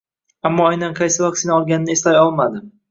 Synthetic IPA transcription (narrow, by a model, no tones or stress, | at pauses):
amːɒajnanqʰɑjsɪvɒkʲsɪnaɒlˠɡʲanɪnɪeslajɒlˠmad̪ɪ